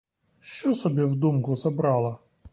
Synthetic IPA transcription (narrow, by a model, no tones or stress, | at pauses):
ʃt͡ʃɔsɔbʲiwd̪umkʊzɐbɾɑlˠɐ